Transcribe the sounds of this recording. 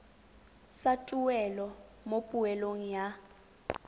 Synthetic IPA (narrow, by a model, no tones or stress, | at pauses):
satʼuwɛlɔ | mopʼuɛloŋ̩ja